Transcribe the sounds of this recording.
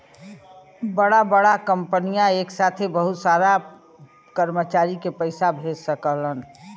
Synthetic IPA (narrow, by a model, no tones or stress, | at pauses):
bəɽabəɽakəmpənijãeːksaːt̪ʰebəɦut̪saːɾa | kəɾmət͡ʃaːɾikepəɪsabʱeːd͡ʒsəkələn